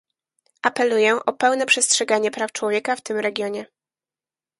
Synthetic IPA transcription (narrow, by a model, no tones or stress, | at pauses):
ʔapɛlujɛʔɔpɛwn̪ɛpʂɛstʂɛɡaɲɛpɾaft͡ʂwɔvʲjɛkaft̪ɘmɾɛɡʲjɔɲɛ